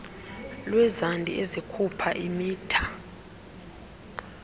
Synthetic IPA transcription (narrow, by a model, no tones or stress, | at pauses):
lwɛzandʱʼḭʔezikʰupʰaʔimiːtʰḁ